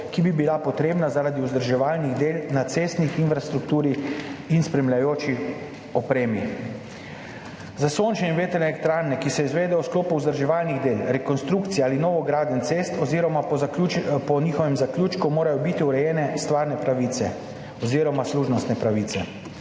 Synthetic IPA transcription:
kibibilapɔt̪ɾeːbnazaɾad̪iuzd̪əɾʒɛʋaːlniɣd̪eːlnat̪seːst̪nixinfɾast̪ɾukt̪uːɾiinspɾɛmlʲjajoːt͡ʃi | ɔpɾeːmi | zasoːnt͡ʃɛinʋeːt̪ɛnɛeːlɛk̚t̪ɾaɾnɛkisɛizʋeːd̪ɛɔskloːpuuzd̪əɾʒɛʋaːlniɣd̪eːlɾɛkɔnst̪ɾukt̪sijaaːlinɔːʋɔɡɾaːd̪ənt̪seːst̪ɔziɾɔma | pɔniːxɔʋɛmzakluːt͡ʃkumoːɾajɔbit̪iuɾɛjɛːnɛst̪ʋaːɾnɛpɾaʋisɛ | ɔziːɾɔmasluːʒnɔst̪nɛpɾaʋiːt̪sɛ

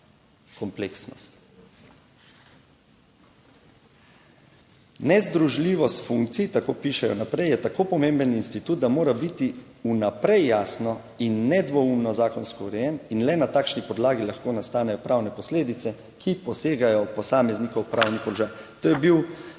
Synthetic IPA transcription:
kɔmpleːksnɔst̪ | nɛzd̪ɾuʒliːʋɔst̪fuŋk̚t̪sit̪akoːpiːʃɛjɔnapɾɛjɛt̪akoːpɔmembəninst̪it̪uːt̪̚d̪amoːɾabit̪iunapɾɛjːaːsnɔ | inːɛd̪ʋɔumnɔzaːkɔnskɔuɾɛjɛninlɛnat̪aːkʃnipɔd̪laːɡilaxkoːnast̪aːnɛjɔpɾawnɛpɔsleːd̪it̪sɛ | kʰipɔseːɡajɔpɔsaːmɛzniːkɔwpɾaːwnipɔlɔʒaːjt̪oːjɛbiw

